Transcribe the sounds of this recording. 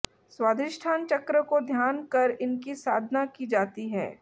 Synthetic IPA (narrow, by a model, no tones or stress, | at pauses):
swaːd̪ʱɪʃʈʰaːnt͡ʃɐkɾəkod̪ʱjaːnkɐɾɪnkisaːd̪ʱnakid͡ʒaːt̪iɦɛ̰ː